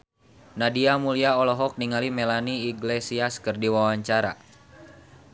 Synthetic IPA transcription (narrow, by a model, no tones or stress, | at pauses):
nadiamuliaɔlɔɦɔk̚niŋalimɛlaniːɡlesiaskɨrdiwawaɲt͡ʃaɾa̰